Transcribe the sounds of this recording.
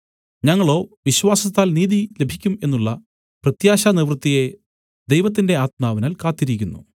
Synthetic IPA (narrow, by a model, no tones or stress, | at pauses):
ɲɐŋːɐɭo̞ːʋiɕʋaːsɐt̪ːaːlniːðile̞bʱikʲːume̞nːuɭːɐ | prɐt̪jaːɕaneʋrɨt̪ːije | d̪e̞jʋɐt̪̬ːinde̞aːt̪̚maːʋɐnaːlkaːt̪ːiɾikʲːunːṵ